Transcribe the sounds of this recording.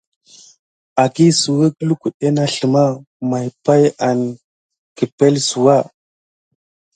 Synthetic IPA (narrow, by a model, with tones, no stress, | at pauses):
a˨ki˦su˨we˦klu˦ku˨ɗe˦na˦ɬə˨ma˦ | ma˨jpa˦ja˨n | ki˨pe˦lsu˨wa˦˨